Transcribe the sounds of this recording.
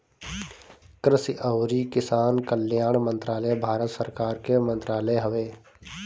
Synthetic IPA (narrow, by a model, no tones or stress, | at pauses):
kɾɪsiʔəʊɾikɪsaːnkəljaːɳmə̃nt̪ɾaːləbʱaːɾət̪səɾkaːɾkemə̃nt̪ɾaːləjɦəʋeː